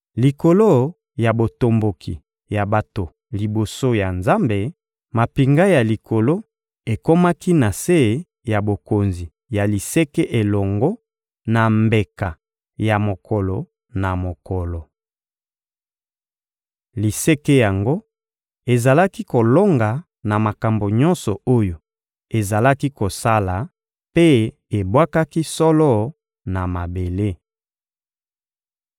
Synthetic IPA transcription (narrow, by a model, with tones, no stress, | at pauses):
li˨ko˨lo˦ | ja˨bo˨to˨mbo˨kʰḭ˨ | ja˨ba˨to˨ | li˨bo˨so˦ja˨nza˦mbe˨ | ma˨pi˨ŋɡa˦ja˨li˨kʰo˨lo˦ | e˨ko˦ma˦ki˦na˨se˦˨ | ja˨bo˨ko˨nzi˨ | ja˨li˨se˦ke˦ʔe˨lɔ˨ŋɡɔ˦ | na˨mbe˨ka˨ | ja˨mo˨kʰɔ˨lɔ˨ | na˨mo˨kɔ˨lɔ˨ | li˨se˦ke˦ja˨ŋɡo˦ | e˨za˨la˦ki˦ko˨lo˦ŋɡa˨ | na˨ma˨ka˨mbo˨ɲɔ̃˦nsɔ˨o˦jo˨ | e˨za˨la˦ki˦ko˨sa˦la˨ | pe˦ | e˨bwa˦ka˦ki˦sɔ˦lɔ˦ | na˨ma˨be˨le˦